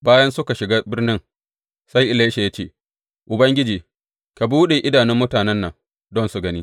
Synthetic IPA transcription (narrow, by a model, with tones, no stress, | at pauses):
baː˦jɐ˦nsʊ˦ka˨ʃɪ˨ɡaː˦bɪ˦rnɪ˦ŋ | sa˦jʔɪ˦le˦ʃe˨ja˦t͡ʃḛː˦˨ | ʔʊ˨bɐ˦ŋɡʲɪ˦d͡ʒiː˨ | ka˨buː˦ɗe˨ʔɪ˦daː˨nɪ˦mːʊ˦taː˨nɛ˦nːɐ̰˨ŋ | dɔ˦nsu˨ɡɐ˦niː˦